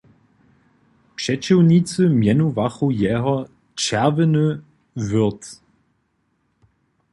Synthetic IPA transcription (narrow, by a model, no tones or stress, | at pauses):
pʂɛt͡ɕiwnit͡səmjɛnuvaχujɛːɦɔ | t͡ʃɛʁvənə | vʏt̪